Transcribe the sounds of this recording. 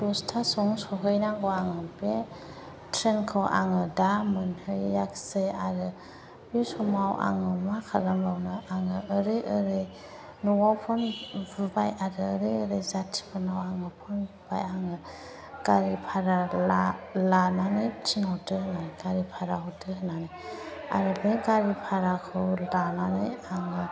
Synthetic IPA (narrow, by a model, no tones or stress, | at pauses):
dɔstʰasɔŋsɔɦɯjnaɡɔaŋɯbe | tʰɾenkʰɯwʔa̰ŋɯdamɯnhɯjːaksejaɾɯ | bisɔmawʔa̰ŋɯmakʰalamawnɯʔaŋɯːɾɯjʔəɾɯj | nuwawpʰɯnbɯbajaɾɯːɾɯjəɾɯjzatʰi̥pʰɯnawaŋɯpʰɯnbɯba̰jaŋɯ | ɡ̥aɾipʰaɾalalananɯjt͡ʃʰiŋawtɯhɯnanɯɡaɾipʰaɾaɦutʰɯɦɯnanɯja̰ɾɯbeɡaɾipʰaɾakʰɯwlananɯjaŋɯ